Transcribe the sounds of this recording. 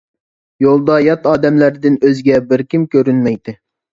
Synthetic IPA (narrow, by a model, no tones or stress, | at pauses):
jolˠd̪ɑjɑt̪ɑːd̪ɛmlæɾd̪ɪnøzɡʲɛbɪɾkʲimkʲøɾynmɛjd̪ɪ